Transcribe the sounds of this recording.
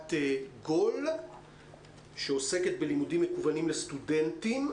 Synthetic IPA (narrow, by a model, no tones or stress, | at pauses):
t̪eɡo̞l | ʃe̞o̞se̞ket̪̚be̞limudimːekuvanimlest̪ude̞ntim